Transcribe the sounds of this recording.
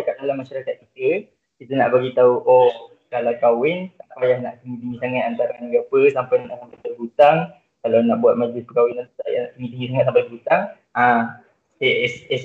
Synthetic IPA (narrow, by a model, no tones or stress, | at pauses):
kaʔ̚dalamaʃaɾakat̪̚kit̪ə | kit̪əna̰ʔbaɡit̪auʔo | kalawkawɪnsaʔapajahna̰ʔt̪əŋit̪iŋɡisaŋat̪̚ant̪aɾanəɡapəsampajnnakakət̪əlbut̪aŋ | kalawnaʔbuat̪̚mad͡ʒlɪspəkawɪnaa̰ʔt̪əŋɡit̪iŋɡisaŋat̪sampaəbut̪aŋ | a | esɛs